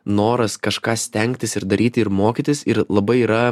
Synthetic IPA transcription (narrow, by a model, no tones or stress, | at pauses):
noːɾɐskɐʃkɑːsʲt̪ʲɛŋʲkt̪ʲɪsɪɾd̪ɐɾʲʔiːt̪ʲɪɪɾmoːkʲɪt̪ʲɪsɪɾlˠɐbɐɪiːɾɐ